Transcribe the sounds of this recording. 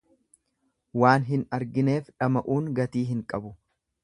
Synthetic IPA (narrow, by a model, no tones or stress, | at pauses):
waːnɦɪnɐɾɡɪne̞ːfᶑɐmɐʔuːŋɡɐt̪iːɦɪŋkʼɐbʊ